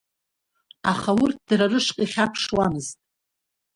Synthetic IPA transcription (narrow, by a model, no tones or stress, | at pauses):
aχawʊrt̚ʰd̥rarɨʂqʼiχʲapʰʂwamɨztʼ